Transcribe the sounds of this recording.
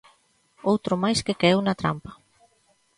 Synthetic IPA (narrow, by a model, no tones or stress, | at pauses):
owt̪ɾʊmajskekeewnat̪ɾa̰mpḁ